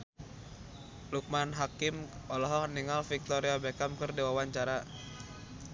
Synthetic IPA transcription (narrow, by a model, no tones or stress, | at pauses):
luk̚manɦakimɔlɔɦɔkniŋalfik̚t̪ɔɾiabɛkamkərdiwawaɲt͡ʃaɾa